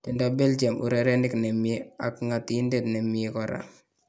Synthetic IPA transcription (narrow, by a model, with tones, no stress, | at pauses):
ti˨ndabɛ˦ld͡ʒe˨mu˨ɾɛ˨ɾɛ˦nɪ˦knɛ˨miea˨kŋa˨tindetnɛ˨miekɔɾa̰